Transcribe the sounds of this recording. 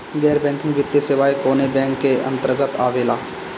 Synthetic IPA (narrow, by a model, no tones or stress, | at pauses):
ɡɛːɾbɛ̃ːŋkɪ̃ŋɡʋɪt̪ːesɪʋaːjkoːnebɛ̃ːŋkːeʔə̰̃nt̪əɾɡət̪aːʋeːlaː